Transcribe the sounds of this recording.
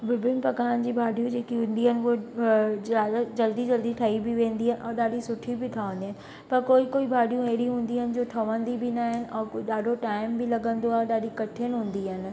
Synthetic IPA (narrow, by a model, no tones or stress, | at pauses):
bɪbɪnpɐkaːnd͡ʑiːbʱaːɖʱijũd͡ʑeːkiɦũn̆d̪iɦənɪ̆ko | d͡ʑɐld̪id͡ʑɐld̪iʈʰaːibɪʋẽːnd̪iɦɛnɪ̆ʔɔːɾɗaːɖisʊʈʰibɪʈʰɐʋə̃nd̪iɦənɪ̆ | pɐɾkoːikoːibʱaːɖʱijũeɦɪɽiɦũːn̆d̪iɦənɪ̆d͡ʑoːʈʰɐʋə̃nd̪ibʱɪnaɦɪnɪ̆ʔɔːkɗaːɖʱoʈaːɪmbɪlɐɠə̃nd̪oaːɦeɗaːɖʱikɐʈʰənɪɦũːnd̪iɦɪnɪ̆